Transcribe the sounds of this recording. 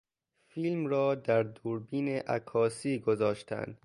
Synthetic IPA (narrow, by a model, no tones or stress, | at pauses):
fiːlmɾɒːd̪æɾd̪uːɾbiːneʔæ̰kʰɒːsiːɡozɒːʃt̪ʰæ̰nd̪̥